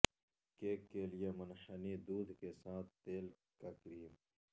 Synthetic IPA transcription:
keːkːelijemɐnħənid̪uːd̪kesaːt̪ʰt̪eːl | kakɾiːm

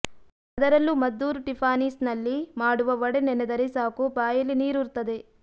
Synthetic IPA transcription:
ɐd̪ɐɾɐlːumɐd̪ːuːɾʈipʰaːniːsnɐlːimaːɽuʋɐʋɐɽenɛnɛd̪ɐɾesaːkupaːjɐlːiniːɾuɾt̪ːɐd̪e

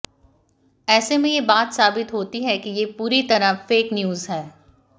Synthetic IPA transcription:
ɛːsemẽjebaːt̪saːbɪt̪ɦoːt̪iɦɛkijepuːɾit̪ɐɾafeːknjuːzɦɛː

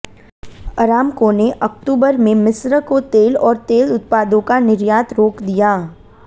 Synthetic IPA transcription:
ɐɾaːmkõneʔɐkʈuːbəɾmẽmɪsɾəkot̪eːlɔːɾt̪eːlʊt̪̚paːd̪õkanɪɾjaːt̪ɾoːkd̪ijaː

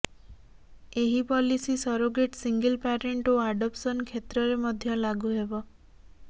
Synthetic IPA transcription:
eɦipɔlisisɔɾoɡeʈsiŋɡəlpaɾeɳʈoaɖɔpsɔnkʰet̪ɾɔɾemɔd̪ʱjɔlaɡuɦebɔ

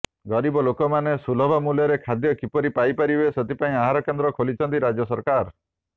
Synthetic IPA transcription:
ɡɔɾibɔlokɔmanesulɔbʱamuljɔɾekʰad̪jɔkipɔɾipajpaɾibeset̪ipaĩaɦaɾɔkend̪ɾɔkʰolit͡ʃʰɔnt̪iɾad͡ʒjɔsɔɾkaɾ

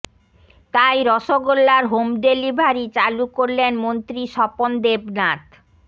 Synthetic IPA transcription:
t̪ajɾɔʃoɡolːaɾɦomɖelibʱaɾit͡ɕalukoɾlenmont̪ɾiʃɔpond̪ebnat̪

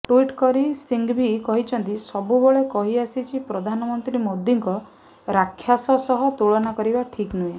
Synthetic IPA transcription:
ʈuiʈkɔɾisiŋɡbʱikɔɦit͡ʃʰɔnt̪isɔbubɔɭekɔɦiasit͡ʃʰipɾɔd̪ʱanɔmɔnt̪ɾimod̪ːiŋkɔ | ɾakʰːjasɔsɔɦɔt̪uɭɔnakɔɾibaʈʰiknue

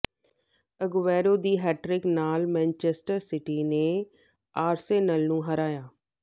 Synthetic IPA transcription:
əɡʋɛːɾod̪iːɦɛːʈɾɪknaːlmɛ̃ːnt͡ʃesʈəɾsɪʈinẽ | aːɾseːnəlnũːɦɐɾaːjaː

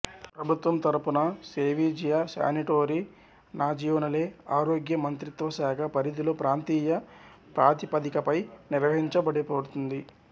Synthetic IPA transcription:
pɾɐbʱut̪ʋɐmt̪ɐɾɐpunɐseːʋiːd͡ʒijɐsa̰ːniʈoːɾi | naːd͡ʒijoːnɐle̞ːaːɾoːɡjɐmɐnt̪ɾit̪ʋɐsaːkʰɐpɐɾid̪ilo̞ːpɾaːnt̪iːjɐ | pɾaːt̪ipɐd̪ikɐpɐjniɾʋɐɦiɲt͡ʃɐbɐɽipoɽut̪und̪i

